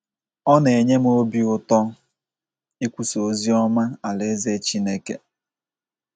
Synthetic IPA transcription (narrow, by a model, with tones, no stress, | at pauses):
ɔ˦ne˨ɲe˦m˦o˦bi˦ʊ˦tɔ˦ | i˦kʷu˦so˨zi˦ɔ˦ma˦a˨le˨˦ze˦t͡ʃi˦ne˦ke˨